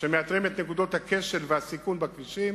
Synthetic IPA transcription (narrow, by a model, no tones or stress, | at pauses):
ʃemeat̪ʁimet̪nekud̪o̞t̪hake̞ʃe̞lveasikunbakviʃim